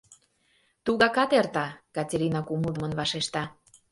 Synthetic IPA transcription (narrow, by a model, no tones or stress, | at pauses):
t̪uɣɑkɑt̪ert̪ɑkɑtʲeɾʲinɑkuməlˠd̪əmə̆nβɑʃeʃt̪ɑ